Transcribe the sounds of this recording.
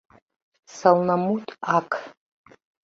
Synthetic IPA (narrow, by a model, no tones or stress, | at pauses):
sɐlnɐmutʰʼakʰ